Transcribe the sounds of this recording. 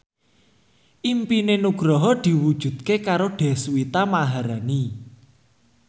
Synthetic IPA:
ʔimpinenuɡ̥ɾɔɦɔd̪̥i̤wud̥ʒ̥ṳd̪̥̚kekaɾoɖ̪̥ɛ̤swit̪amaɦaɾani

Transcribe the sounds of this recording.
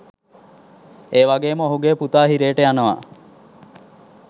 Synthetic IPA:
eːʋaɡeːməoɦuɡeːput̪aːɦiɾeːʈəjanəʋa̰

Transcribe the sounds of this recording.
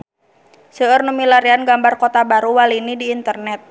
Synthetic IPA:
səərnumilaɾianɡambarkot̪abaɾuwalinidiːnt̪ərnɛt̪̚

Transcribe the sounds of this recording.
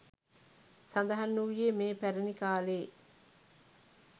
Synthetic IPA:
sɐnd̪ɐɦɐnːuʋijemeːpæɾɐnikaːleː

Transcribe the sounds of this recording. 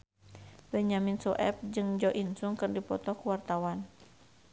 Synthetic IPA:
bɛɲaminsɔʔɛp̚d͡ʒɨŋd͡ʒɔʔinsuŋkɨrdipɔt̪ɔkuwart̪awan

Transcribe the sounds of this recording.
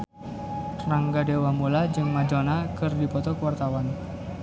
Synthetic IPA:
t̪naŋɡadewamulad͡ʒɨŋmad͡ʒonakɨrdipɔt̪ɔkəwart̪awan

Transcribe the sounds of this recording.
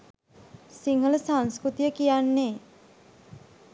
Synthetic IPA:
siŋɦələsaŋskɾut̪ijəkijanːe

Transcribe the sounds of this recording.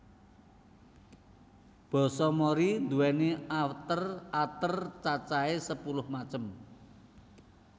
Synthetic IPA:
b̥ɔ̤sɔmɔɾind̪uwɛneaft̪ərat̪ərt͡ʃat͡ʃaesəpulʊhmat͡ʃəm

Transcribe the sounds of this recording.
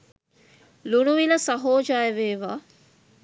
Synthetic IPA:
lunuʋilɐsɐɦoːd͡ʒajəʋeːʋaː

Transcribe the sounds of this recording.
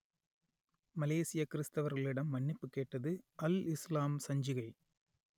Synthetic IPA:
mɐleːsɪjɐkɪɾɪst̪ɐʋɐɾɣɐɭɪɽɐmːɐɳːɪpːɯkːeːʈːɐðɯʔɐlɪslaːmsɐɲd͡ʒɪɣɐɪ

